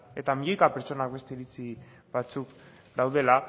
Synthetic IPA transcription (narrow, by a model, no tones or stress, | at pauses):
e̞t̪amiʎojkapeɾt͡ʃo̞nakbe̞st̪e̞ːɾit͡si | bat͡suk | d̪awð̞e̞la